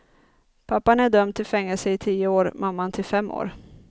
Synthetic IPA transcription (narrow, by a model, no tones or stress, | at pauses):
pʰapːanæɖœmd̪t̪ʰɪlfɛŋːɛlsəɪt̪ʰiːəoːɾmamːant̪ʰɪlfɛmːʔo̰ːɾ